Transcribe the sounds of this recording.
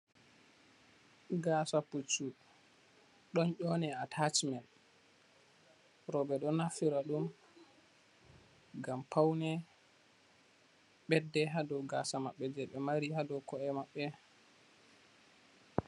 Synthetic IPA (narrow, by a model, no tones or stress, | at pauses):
ɡasaput͡ʃːu | ɗɔnʔɔnɛatʰat͡ʃmɛn | ɾɔbɛɗɔnafiɾaɗum | ɡampʰawnɛ | ɓɛdːɛɦadɔɡaːsamaɓːɛd͡ʒɛɓɛmaɾihadɔkɔɛmaɓːɛ